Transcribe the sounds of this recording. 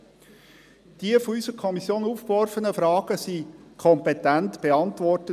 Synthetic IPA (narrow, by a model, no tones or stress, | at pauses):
d̥iəfɔysəɾkʰɔmisjoːnuːfkvɔɾfənəfɾɑːɡ̥əsikʰɔmpɛtæntb̥eɑntʋɔrtə